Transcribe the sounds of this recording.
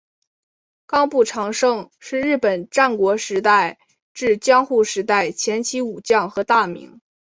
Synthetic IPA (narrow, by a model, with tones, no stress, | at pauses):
kɑ˥ŋpu˥˩ʈ͡ʂʰɑ˧˥ŋʂɤ˥˧ŋʂɻ̩˥˧ɻɻ̩˥˩pə˨˩nʈ͡ʂa˥˩nkwɔ˧˥ʂɻ̩˧˥t̪a˥˧ɪ | ʈ͡ʂɻ̩˥˩t͡ɕjɑ˥ŋxu˥˩ʂɻ̩˧˥t̪a˥˩ɪt͡ɕʰjɛ˧˥nt͡ɕʰi˧˥u˨˩t͡ɕjɑ˥˩ŋxɤ˧˥t̪a˥˩mḭ˧˥ŋ